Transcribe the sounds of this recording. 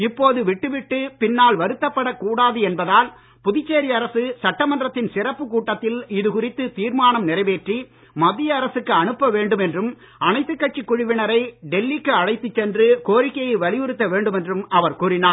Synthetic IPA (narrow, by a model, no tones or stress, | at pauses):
ɪpːoːðɯʋɪʈːɯʋɪʈːɯpɪnːaːlʋɐɾɯt̪ːɐpːɐɽɐkːuːɽaːðɯɛnbɐðaːl | pʊðɪt͡ʃːeːɾɪɐɾɐsɯsɐʈːɐmɐndrɐt̪ːɪnsɪrɐpːɯkuːʈːɐt̪ːɪlɪðɯkʊrɪt̪ːɯt̪iːɾmaːnɐmnɪrɐɪʋeːʈri | mɐðɪjɐːɾɐsɯkːɯɐɳɯpːɐʋeːɳɖɯmɛndrɯm | ɐnɐɪt̪ːɯkːɐʈ̚t͡ʃːikːʊɻɪʋɪnɐɾɐɪɖɛlːikːɯɐɻɐɪt̪ːɯt͡ʃːɛndrɯkoːɾɪkːɐjɐɪʋɐɭɪjɯɾɯt̪ːɐʋeːɳɖɯmɛndrɯmɐʋɐɾkuːrɪnaː